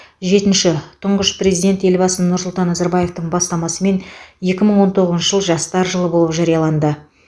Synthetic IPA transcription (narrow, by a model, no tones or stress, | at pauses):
ʒe̞t̪ɪnʃɪt̪ʰʊɴʁəʃpre̞zijd̪ʲe̞nt̪e̞lbɑsənʊɾsʊlˠt̪ɑnːɑzɑɾbɑje̞ft̪əɴbɑst̪ɑmɑsəme̞nje̞kʲɪməɴwo̞nt̪ʰo̞ʁəznʃəʒəlˠəʒɑst̪ɑɾʒəlˠəbo̞lˠəpʒɑɾijɑlˠɑnd̪ə